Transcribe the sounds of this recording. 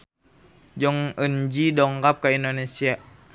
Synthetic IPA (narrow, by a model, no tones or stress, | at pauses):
d͡ʒɔŋəɲd͡ʒidɔŋkap̚kaindonesia